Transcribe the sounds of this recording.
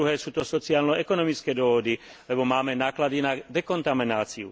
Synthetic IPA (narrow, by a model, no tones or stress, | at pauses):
uɦɛːsuːt̪ɔsɔt͡siaːlnɔɛkɔnɔmit͡skɛːd̪ɔɦɔd̪i | lɛbɔmaːmɛnaːklad̪inad̪ɛkɔnt̪aminaːt͡siṵ